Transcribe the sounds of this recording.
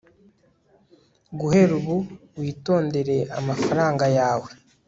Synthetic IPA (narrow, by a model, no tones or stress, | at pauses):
ɡuhe̞ɾuβuwiːto̞ːnde̞ɾe̞a̰mafaɾaːŋɡajaːwe̞